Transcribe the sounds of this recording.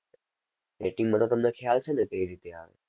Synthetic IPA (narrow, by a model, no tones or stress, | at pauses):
eʈĩŋɡmət̪ʰot̪əmnekʰjalt͡ʃʰenek̪əiɾit̪ea̰ʋḛ